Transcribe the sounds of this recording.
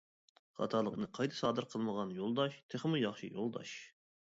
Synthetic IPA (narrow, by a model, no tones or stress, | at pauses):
χɑ̰t̪ʰɑlˠəqnɨqʰɑjt̪ʰɨ̥sɑːd̪ɨɾqʰəlˠməʁɑnjolˠd̪ɑʃt̪ʰeχəmujɑχʃɨ̰jolˠd̪ɑ̰ʃ